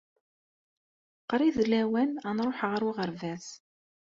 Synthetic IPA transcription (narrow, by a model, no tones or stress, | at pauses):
qɾiðlæwænænɾˤoħʁəɾwiʁəɾvæθ